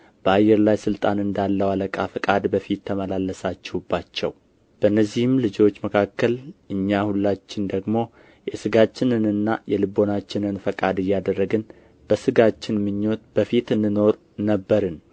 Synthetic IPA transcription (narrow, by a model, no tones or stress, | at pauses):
b̥əajːɛɾlajsɨlt̪ʼanɨnd̪alːəwaləkʼafɨkʼad̪bəfit̪ʰːəməlalːəsat͡ʃːɛhubːat͡ʃːɛ̰w | b̥əʔɨnːəzːihɪmlɨd͡ʒo̞t͡ʃːməkʰakːəlʔɨɲːahulːat͡ʃːɪnd̪əɡmo̞ | jɛsɨɡat͡ʃːɪnɨnɨnːajɛlɨbo̞nat͡ʃːɪnɨnfəkʼad̪ɨjːad̪ərːəɡɨn | b̥əsɨɡat͡ʃːɪnmɨɲːo̞t̪b̥əfit̪ɨndɨno̞ɾ | nəbːəɾɨn